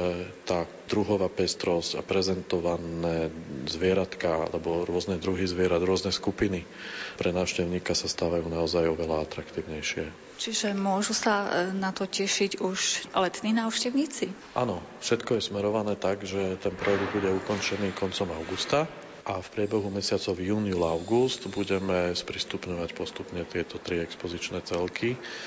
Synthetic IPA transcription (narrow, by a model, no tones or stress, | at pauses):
ɛt̪aː | d̪ɾuɦɔʋaːpɛst̪ɾɔsca̰pɾɛzɛnt̪ɔʋanɛːzʋɪɛɾat̪kaa̰lɛbɔɾʊɔznɛd̪ɾuɦizʋɪɛɾad̪ɾʊɔznɛskupini | pɾɛnaːʊʃcɛʊɲiːkasast̪aːʋajuːnaɔzajɔʋɛlaat̪ɾakt̪iːʊɲɛjʃɪɛ | t͡ʃiʒɛmʊɔʒusanat̪ɔcɛʃiɟuʃlɛt̪niːnaːʊʃcɛʊɲiːt͡si | ʔanɔ | fʃɛt̪kɔjɛsmɛɾɔʋanɛːt̪aɡʒɛt̪ɛnpɾɔjɛɡd̪̚buɟɛukɔnt͡ʃɛniːkɔnt͡sɔmaʊɡust̪a | ʔafpɾɪɛbɛɦumɛsɪat͡sɔʊjuːnjulaʊɡust̪buɟɛmɛspɾist̪upɲɔʋacpɔst̪upɲɛt̪ɪɛt̪ɔt̪ɾiɛkspɔzit͡ʃnɛːt͡sɛlkʰi